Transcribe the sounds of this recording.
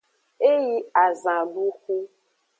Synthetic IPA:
e˦ji˦a˨zã˨bu˦xu˦

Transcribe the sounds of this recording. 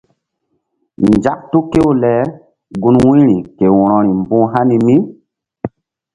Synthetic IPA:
nd͡ʒa˦k̚tu˦ke˦wo˦lɛ˨˦ | ɡu˦nwũ˦ɾi˨ke˨wɔ˨ɾ̃ɔ̃˨ɾi˨mbũ˦ɦa˦ni˨mi˦

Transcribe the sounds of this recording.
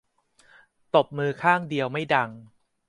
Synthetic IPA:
t̪o˨˩p̚mɯː˧kʰaː˥˩ŋdi˧əwma˥˩jda˧ŋ

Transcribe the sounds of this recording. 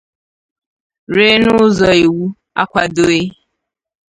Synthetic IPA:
ɾe˦nʊ˦zɔ˨i˨wu˦ | a̰˦kʷa˨do˦e˦

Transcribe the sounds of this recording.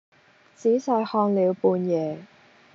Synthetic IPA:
t͡siː˨˥sɐ˧jhɔː˧ŋliː˨˧wpuː˧njɛː˨˧

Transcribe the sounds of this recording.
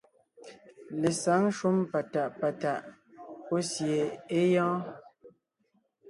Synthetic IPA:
le˨sa˨˦ŋ˦ʃwu˦mpa˨ta˨ʔpa˨ta˨ʔ | po˦sje˨e˦jɔ̃ː˦

